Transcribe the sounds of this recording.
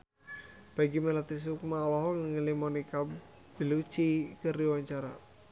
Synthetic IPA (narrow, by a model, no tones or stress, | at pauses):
b̥aiɡimelat̪is̬hukumalɔɦɔŋəŋəlimɔnika | b̥ilut͡ʃikəriwaɲt͡ʃaɾa